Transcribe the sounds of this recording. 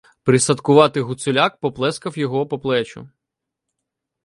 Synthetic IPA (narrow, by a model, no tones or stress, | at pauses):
pɾɪsɐt̪kʊʋɑt̪ɪɦʊt̪sʊlʲak̚pɔplˠɛskɐwjɔɦɔpɔplˠɛt͡ʃʊ̰